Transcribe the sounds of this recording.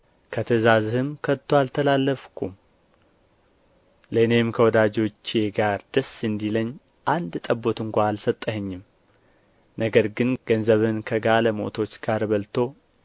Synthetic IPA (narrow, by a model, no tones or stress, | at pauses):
kʰət̪ʰəzazɨhɨmkʰət̪ʰːoalt̪ʰəlalːəfkʰum | lənemkʰəwɔd̪ad͡ʒo̞t͡ʃːeɡaɾd̪əsɨnd̪iləɲː | ʔand̪t̪ʼəbːo̞t̪ɨŋkʷaalsət̪ʼːəhəɲːɪm | nəɡəɾɡɨnɡ̥ənzəβɨnkʰəɡaləmo̞̰t̪ʰo̞t͡ʃːɡ̥aɾbəlt̪ʰo̞